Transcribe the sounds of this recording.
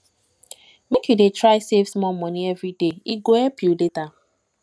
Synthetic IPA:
mekjudetɹaɪsevsmɔlmɔniɛvɾideiɡoɛpjuleta

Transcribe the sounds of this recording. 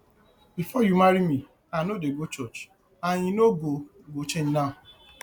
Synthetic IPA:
bifɔjumaɾimi | anodeɡot͡ʃɔt͡ʃ | aɲĩnoɡo | ɡot͡ʃeɲnaʊ

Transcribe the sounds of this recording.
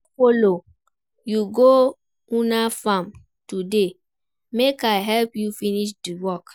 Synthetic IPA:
folo | juɡo | ũnafãm | tude | mekaɪɦɛlpjufiniʃ̬diwɔk

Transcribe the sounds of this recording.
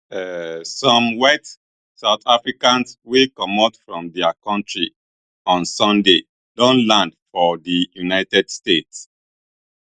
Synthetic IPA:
ɛsɔ̃mwɛt | saʊtʰafɹikãnswekɔmɔtfɹɔ̃mdɛakɔ̃ntɹi | ɔ̃nsɔ̃nde | dõnlãndfɔdijunaɪtɛdstets

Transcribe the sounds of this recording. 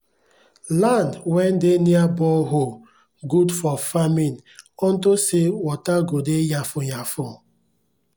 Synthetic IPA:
landwɛn̩deniabɔɦo | ɡudfɔfaminɔn̩tosewɔtaɡodejafʊjafʊ

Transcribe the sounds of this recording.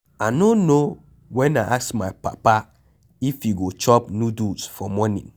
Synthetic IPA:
anono | wɛ̃naʔasmaɪpa̰pa | ifjuɡot͡ʃɔpnjudusfɔmɔnḭ̃n

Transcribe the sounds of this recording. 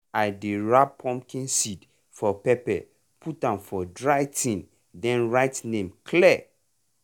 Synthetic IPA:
aɪdeɹapʰːɔ̃mkĩnsid | fɔpɛpɛ̰ | pʰutãmfɔdɹajtĩn | dɛ̃nɹaɪtnẽmkʰlɛ

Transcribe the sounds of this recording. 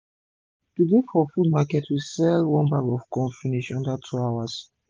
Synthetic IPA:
tudekfɔfud̚makɛtʰwisɛlwɔ̃nbakɔvkɔ̃nfiniʃɔ̃ndatʰuawas

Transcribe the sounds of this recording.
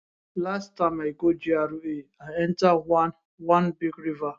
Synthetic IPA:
lastaɪmaɡod͡ʒiaɾueaɛ̃ntawa | wãnbiɡɾiva

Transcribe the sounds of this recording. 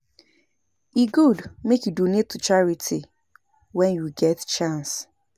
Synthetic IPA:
iɡudmekjudonetːut͡ʃaɹitʰi | wɛ̃njuɡɛtt͡ʃãns

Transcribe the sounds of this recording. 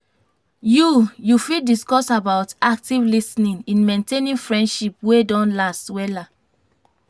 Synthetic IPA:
jujufidiskɔsabaʊtak̚tivlisnĩnĩnmẽntenĩnfɹɛ̃ndʃipwedɔ̃nlastwɛla

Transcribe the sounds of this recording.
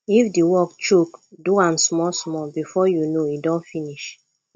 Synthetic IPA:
ifdiwɔkt͡ʃukduãnsmɔsmɔbifɔjunoidɔ̃nfiniʃ

